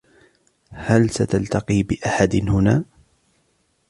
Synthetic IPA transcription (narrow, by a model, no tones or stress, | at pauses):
halsat̪alt̪aqiːbɪʔaħad̪nhʊnaː